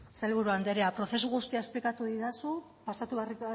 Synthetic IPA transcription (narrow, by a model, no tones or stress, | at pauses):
se̞lβ̞uɾuand̪eɾeapɾo̞θe̞suɣust̪iaesplikat̪uðiðasu | pasat̪uβri